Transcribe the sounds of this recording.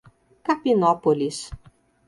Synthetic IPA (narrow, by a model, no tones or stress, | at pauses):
kapinɔpolis